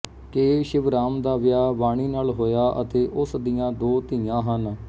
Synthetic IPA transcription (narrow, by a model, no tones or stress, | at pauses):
keːʃɪʋɾaːmd̪aːʋɪjaːʋaːɽ̃iːnaːlɦoːjaːʔə̰t̪eːʔʊsd̪ijãːd̪oːt̪iːãːɦən